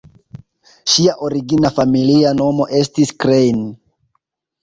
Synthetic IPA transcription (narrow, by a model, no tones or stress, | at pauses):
ʃiaʔo̞ɾiɡinafamiliano̞mo̞ʔe̞stiskɾejn